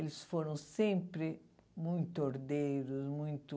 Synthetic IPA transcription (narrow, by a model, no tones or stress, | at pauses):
elɪsfoɾɐ̃w̃sẽmpɾɪmũj̃t̪ʊoɾd̪eɾʊzmũj̃t̪ʊ